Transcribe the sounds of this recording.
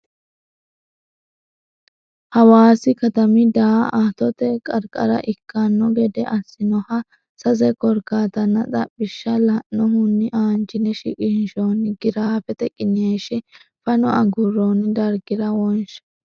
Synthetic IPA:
hɐwaːsɪkɐt̪ɐmɪd̪aːat̪ɔt̪ɛkʼɐɾkʼɐ̰ɾɐ̰ʔɪkːanːɔɡɛd̪ɛʔɐsːɪnɔhɐ | sɐzɛkɔɾkaːt̪ɐnːɐt͡sʼɐ̰pʼːɪʃːɐlɐnːɔɦʊnːɪʔaːnt͡ʃɪnɛʃɪ̰kʼɪnʃoːnɪɡɪɾaːfɛt̪ɛkʼːɪnɪaʃɪ | fɐnɔɐɡʊɾond̪ɐɾɡɪɾɐwɔnʃɐ̥

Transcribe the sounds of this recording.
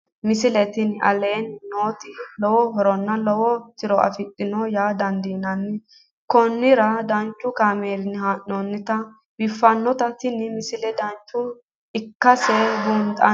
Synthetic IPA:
mɪsɪlɛt̪ɪnɐ̰leːnːo̞ːt̪ɪlɔwɔɦɔɾɔnːɐlɔwɔt̪ɪɾɔʔɐ̰fɪt̪ʼːɪnɔjaːd̪ɐnd̪iːnɐnːɪ | kɔnːɪɾɐd̪ɐnt͡ʃːʊkaːmeːɾɪnɪhaʔːɔnːɪt̪ɐ | bɪfːɐnːɔt̪ɐt̪ɪnmɪsɪlɛd̪ɐnt͡ʃːʊ | ɪkːɐsɛbuːnt̪ʼɐ̰

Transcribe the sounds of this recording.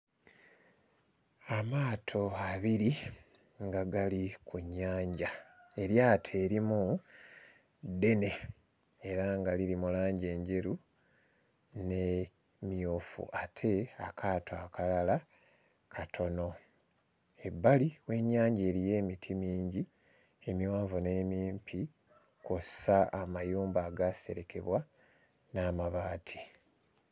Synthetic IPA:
amaːtʰo̞aβiɾi | ŋɡaɡalikuɲːaːɲɟae̞ɾjaːtʰe̞ːɾimu | d̪e̞ne̞ | eɾaŋɡaliɾimulaːɲɟe̞ːɲɟe̞ɾu | ne | mjofṵʔatʰe̞akʰaːtʰoakalala | kʰatʰo̞no̞ | e̞bːaliwe̞ɲːaːɲɟe̞ːɾije̞ːmitʰimiːɲɟi | emiwaːɱvune̞ːmiːmpʰi | kosaamajuːmbaːɡase̞̰ɾe̞kʰe̞βwa | naːmaβaːtʰi̥

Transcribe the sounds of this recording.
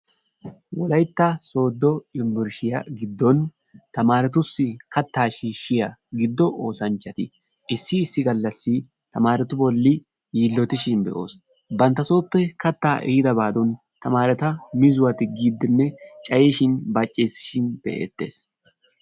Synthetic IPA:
wɔlɐjt̪ːaso̞ːd̪ːɔɪmbɪɾʃɪjɐɡɪd̪ːɔn | t̪ɐmaːɾɛt̪ʊsːɪkɐt̪ːaːʃiːʃːɪjɐɡɪd̪ːɔʔoːsɐnt͡ʃːɐt̪ɪ | ɪsːɪːsːɪɡɐlːɐsːɪ | t̪ɐmaːɾɛt̪ʊbɔlːɪ | jiːlːɔt̪ɪʃɪnbɛ̰ʔo̞̰ːs | bɐnt̪ːɐso̞ːpːɛkɐt̪ːaːʔɪhɪd̪ɐbaːd̪ɔn | t̪ɐmaːɾɛt̪ɐmɪzʊwɐt̪ɪɡid̪ːɪnːɛt͡ʃʼɐjeːʃɪnbat͡ʃʼːeːsɪ̥ʃɪnb̥ɛ̰ʔḛːt̪ːe̞̰ːs

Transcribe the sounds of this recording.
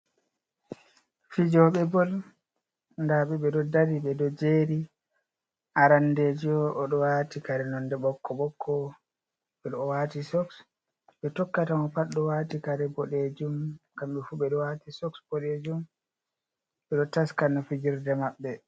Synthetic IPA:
fid͡ʒɔɓɛbɔl | ndaɓɛɓɛɗɔdadiɓɛdɔd͡ʒeɾi | ʔaɾanded͡ʒɔʔɔɗɔwaːtikaɾɛnɔndɛɓɔkːɔɓɔkʰːɔ | ɓɛɗɔwatisɔks | ɓɛtɔkːatamɔpaɗːɔwatikaɾɛbɔɗed͡ʒumkamɓɛfuɓɛɗɔwatisɔksbɔɗed͡ʒum | ɓɛɗɔtaskanːafid͡ʒiɾdɛmaɓːɛ

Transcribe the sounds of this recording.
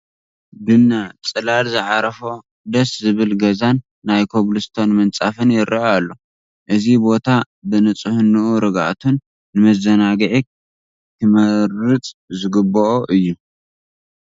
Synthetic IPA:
d̪ɨnːat͡sʼɨlalzɨʕaɾɐfo | d̪ɐszɨβɨlɡɐzanː | ajkʰoβlɨst̪ʰo̞nmɐnt͡sʼafɨnjɪɾʔɐalːo | ʔɨzibo̞t̪ʰa | bɨnɨt͡sʼɨhɨnːuʔuɾɨɡa̰ʔt̪ʰunː | ɨmɐzɐnaɡʕi | kʰɨmɐɾɨt͡sʼzɨɡɨboʔoʔɨjːu

